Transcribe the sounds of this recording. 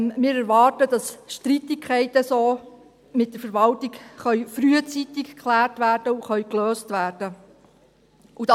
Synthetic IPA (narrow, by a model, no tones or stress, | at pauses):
mɪːɾæɾʋɑːrtəd̥ɑsʃtɾitɪkʰɛɪtəsoː | mɪt̚d̥əɾfəɾʋɑltɪkχœɥfɾyət͡sit̪ɪkkʰχlæːrtʋæːrd̥əuχœʏɥkløːstʋæːrd̥ə | ʔud̥ɑ